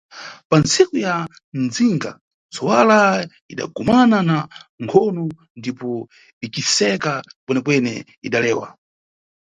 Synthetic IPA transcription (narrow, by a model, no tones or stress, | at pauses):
pant͡sʰikuja | nd͡ziŋɡa̰ | d͡zɔwala | iɗa̰ɡumananaŋkʰɔnu | ndipɔ | ikisɛkapwɛnɛkwɛnɛ̰ | iɗalɛːwa̰